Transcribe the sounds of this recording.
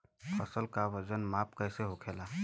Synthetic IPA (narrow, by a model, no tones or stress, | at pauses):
fʰəsəlkaʋəd͡ʒənmaːp̚kəɪseɦokʰeːlaː